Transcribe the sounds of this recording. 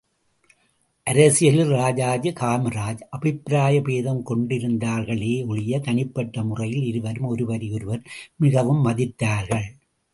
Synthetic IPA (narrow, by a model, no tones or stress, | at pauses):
ʔɐɾɐsɪjɐlɾaːd͡ʒaːd͡ʒɯkaːmɐɾaːd͡ʒʔɐbɪpɾaːjɐpeːðɐmkɔɳɖɪɾɯnd̪aːɾɣɐɭeːʊɻɪjɐt̪ɐɳɪpːɐʈːɐmʊrɐjɪlɪɾɯʋɐɾɯmɔɾɯʋɐɾɪjɔɾɯʋɐɾmɪɣɐʋɯmːɐðɪt̪ːaːɾɣɐɭ